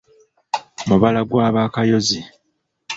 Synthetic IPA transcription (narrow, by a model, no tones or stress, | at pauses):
muβalaɡwaːβaːkajo̞zi